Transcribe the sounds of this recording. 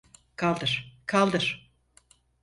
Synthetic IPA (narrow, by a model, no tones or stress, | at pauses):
kʰalˠd̪ɯɾ̥kʰalˠd̪ɯɾ̥